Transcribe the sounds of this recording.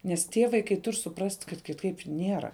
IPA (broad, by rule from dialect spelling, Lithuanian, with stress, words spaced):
nʲɛs ˈtʲiɛ ʋɐɪˈkɐɪ ˈtʊrʲ sʊˈprɐsʲtʲ kɐt kʲɪˈtɐɪp ˈnʲiɛrɐ